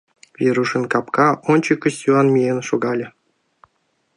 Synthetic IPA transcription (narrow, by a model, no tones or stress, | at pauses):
vʲeɾuʂə̆nkɑpkɑʔonʲt͡ɕəkːə̆sʲtʲuɑnmʲienʃoɡɑlʲɤ̆